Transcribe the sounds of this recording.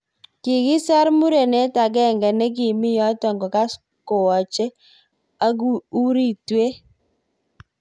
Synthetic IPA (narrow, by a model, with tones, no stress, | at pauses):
kɪ˨kɪ˦sa˦ɾmu˦ɾe˨ne˨˦ta˨ɡɛ˦˨ŋɡa˨ne˦k̬i˨mɪ˦jɔ˦tɔ˨ŋɡɔ˨ka˦s | ko˨wɔ˨t͡ʃe˦ | a˦ɡu˦u˦ɾi˦twe˦